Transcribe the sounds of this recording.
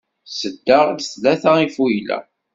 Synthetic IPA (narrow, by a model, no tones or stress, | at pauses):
səd̪ːəʁd̪θlæθæifujlæ̰